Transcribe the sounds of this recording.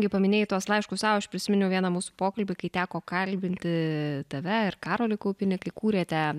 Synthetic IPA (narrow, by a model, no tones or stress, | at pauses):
ɡʲɪpɐmʲɪnʲeːjɪt̪uɔslˠɐɪʃkʊsɑːɐʃpʲɾʲɪsʲɪmʲɪnʲʊʋiɛnɐmuːsupoːkɐlʲbʲɪkɐɪt̪ʲæːkoːkɐlʲbʲɪnʲt̪ʲɪt̪ʲɛʋʲɛɪrkɑːɾoːlʲɪkɐʊpʲɪnʲɪkɐɪkuːɾʲeːt̪ʲɛ